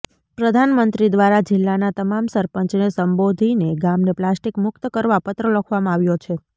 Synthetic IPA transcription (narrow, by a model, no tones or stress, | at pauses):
pɾəd̪ʱanmənt̪ɾid̪ʋaɾad͡ʒɪlːanat̪əmamsəɾpəɲt͡ʃnesəmbod̪ʱineɡamneplasʈikmʊk̚t̪əkəɾʋapət̪ɾələkʰʋamãaʋjot͡ʃʰe